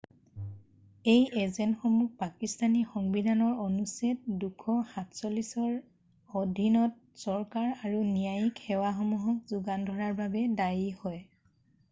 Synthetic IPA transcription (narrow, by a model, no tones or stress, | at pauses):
ejʔezenxɔmuk̚pakistanixɔŋbidʱanɔɹonuset̚dukʰɔxatsɔlisɔɹ | odʱinɔt̚ | sɔɹkaɹaɹunijajikxɛwaxɔmuɦɔk̚zuɡandʱɔɹaɹbabɛdajihɔj